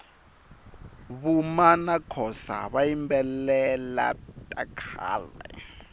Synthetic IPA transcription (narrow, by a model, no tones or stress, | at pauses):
βumanakʰɔsa̰βajimbɛlɛla̰tʼakʰa̰ːlɛ̰